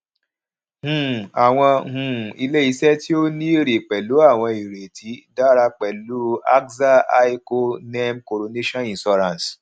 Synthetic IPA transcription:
hũ˨a˨w̃ɔ̃˧hũ˨i˧le˦i˧˦sɛ˦ti˦o˦nĩ˦ɾe˨k͡pɛ˨lu˨˦a˦˨w̃ɔ̃˧i˨ɾe˨ti˨˦da˦ɾa˧k͡pɛ˨lu˨˦a̰˦kza˦a˦i˦ko˦nɛ˦mko˨ɾo˧ne˦ʃɔ̃˦ĩ˨sɔ˧ɾã˨n˨s

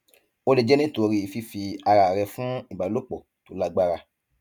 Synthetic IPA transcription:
o˧le˨d͡ʒɛ˦nĩ˦to˧ɾi˧˨fi˧fi˧a˧ɾa˨ɾɛ˧fũ˦i˨ba˨lo˦k͡pɔ˨ | to˨˦la˧ɡ͡ba˧ɾa˧

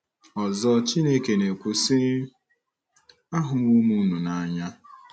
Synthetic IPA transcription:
ɔ˨zɔ˦t͡ʃi˦ne˦ke˨ne˨kʷu˨sɪ˦ | a˦ɦʊ˨mu˦mu˦nu˨na˨ɲa˦

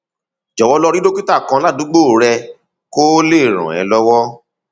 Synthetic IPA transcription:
d͡ʒɔ˨wɔ˧lɔ˧ɾi˦do˦ki˦ta˦˨kã˧˦la˦˨du˨˦ɡ͡bo˦˨ɾɛ˧ | ko˦le˦˨ɾ̃ɔ̰̃˨ɛ̰̃˨˧˦lɔ˦wɔ˦

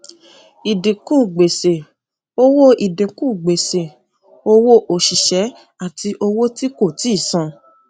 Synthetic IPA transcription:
i˨dĩ˨kũ˦˨ɡ͡be˨se˨ | o˦wo˦i˨dĩ˨kũ˦˨ɡ͡be˨se˨ | o˦wo˦ʔo˨ʃi˨ʃɛ˨˦ | a˦˨tʰi˧ʔo˧wo˦ti˦ko˦˨ti˨˦˨sã˧

